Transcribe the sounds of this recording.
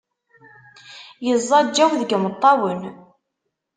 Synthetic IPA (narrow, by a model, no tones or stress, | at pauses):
jəzˤːɑd͡ʒːæwðəɡmət̪ˤːɑwən